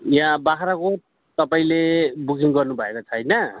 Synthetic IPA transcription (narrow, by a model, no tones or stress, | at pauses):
jãbaɦaɾakotː | t̪ʌpaĩlebukiŋɡʌrnubʱʌekot͡sʰʌjnʌ